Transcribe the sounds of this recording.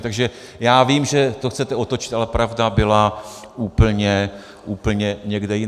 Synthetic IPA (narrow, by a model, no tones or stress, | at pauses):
t̪aɡʒɛjaːviːmʒɛt̪oxt͡sɛt̪ɛo̞t̪ot͡ʃɪ̥t̪alɛpɾavdabɪlaʔuːpl̩ɲɛ | ʔuːpl̩ɲɛɲɛɡdɛjɪ